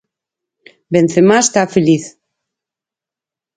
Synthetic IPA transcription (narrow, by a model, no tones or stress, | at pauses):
ben̟θemast̪afeliθ